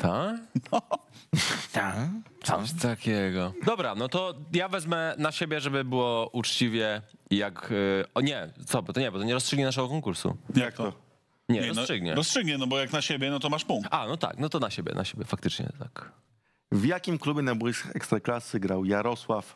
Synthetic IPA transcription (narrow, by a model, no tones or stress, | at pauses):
t̪ʰak̪ɔ | t̪at̪sɔ̰ɕt̪akʲɛɡɔd̪ɔbɾanɔt̪ɔjavɛzmɛnaɕebʲjɛʐɛbɘbɘwɔʔut͡ʂt͡ɕivʲjɛjakɔɲɛt̪sɔbɔt̪ɔɲɛbɔt̪ɔɲɛɾɔstʂɘɡɲɛnaʂ̬ɛɡɔkɔŋkuɾsṵjak̚t̪ɔ | ɲɛɛɔsʂɘɡɲɛ̰ɾɔstʂɨɡɲɛnɔbɔjaknaɕebʲjɛnɔt̪ɔmaʂpũŋanɔt̪a̰knɔt̪ɔnaɕebʲjɛ̰nʔa̰ɕebʲjɛ̰fak̚t̪ɘt͡ʂɲɛ̰t̪a̰k | vjakʲimklubʲjɛnajbujʂɛkst̪ɾaklasɘɡɾawjaɾɔswaf